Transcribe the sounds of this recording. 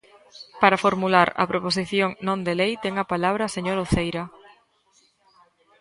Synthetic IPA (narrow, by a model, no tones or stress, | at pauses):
paɾafoɾmulaɾɐ̰pɾopos̬iθjoŋnõnd̪elejt̪ɛŋɐpalaβ̞ɾɐseɲoɾoθejɾɐ